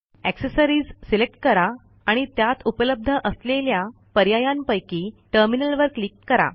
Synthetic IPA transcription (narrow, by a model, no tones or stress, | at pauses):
æksəsəɾiːd͡zsilek̚ʈ̚kəɾaː | ɽ̃it̪jat̪upələb̚d̪ʱəʔəslelja | pəɾjajampəjkiːʈəɾminəlʋəɾklikːəɾa̰